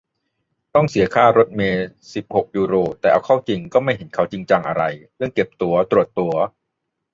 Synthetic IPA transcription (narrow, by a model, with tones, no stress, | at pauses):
t̪ɔ˥˩ŋsi˩˦ɐkʰaː˥˩ɾo˦˥t̪̚meː˧si˨˩p̚ho˨˩k̚juː˧ɾoː˧t̪ɛː˨˩ʔa˧wkʰa˥˩wt͡ɕi˧ŋkɔː˥˩ma˥˩jɦhe˩˦nkʰa˦˥wt͡ɕi˧ŋt͡ɕa˧ŋʔa˧ɾa˧jɾɯ˥˩əŋke˨˩p̚t̪u˧˩ɐt̪ɾu˨˩ət̪ːu˧ɐ